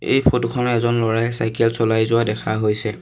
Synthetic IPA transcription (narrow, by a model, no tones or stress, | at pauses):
ḛjpʰotkʰɔnɔɛzɔnlɔɹajsajkɛlsɔlajzʊwadɛkʰaɦojsɛ